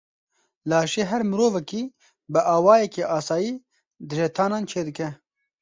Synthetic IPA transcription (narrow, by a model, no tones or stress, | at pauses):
laːʃeːɦɛɾmɨɾoːvɛkiː | bɨʔaːwaːjɛkeːʔaːsaːjiː | d̪ɨʒet̪ʰaːnaːnt͡ʃʰeːd̪ɨkɛ